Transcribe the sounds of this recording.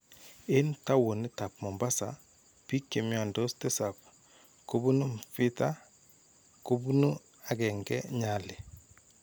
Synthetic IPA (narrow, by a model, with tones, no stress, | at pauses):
e˦nta˦wo˨ni˦ta˨p̚mɔ˨mba˦sa˨ | pi˦kje˨mjɔ˨ndo˦ste˦sa˨p | ko˦bu˦nu˦mfɪ˦ta˦ | ko˦bu˦nu˦ | a˨ɡɛ˨ŋɡɛ̰˦ɲa˨lɪ˨